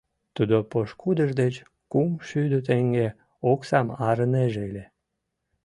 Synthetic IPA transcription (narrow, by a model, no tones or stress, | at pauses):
t̪ud̪opoʃkud̪əʒd̪et͡ɕ | kumʃyd̪ət̪̬eŋɡe | oksɑmɑɾəneʒelʲe